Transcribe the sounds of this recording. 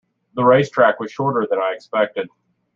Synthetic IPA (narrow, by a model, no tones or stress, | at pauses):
ðəɹeɪstʰɹ̥ækwʌz̥ʃɔɹɾə˞ðɨ̃naɪɨkspɛk̚tɨd̥̚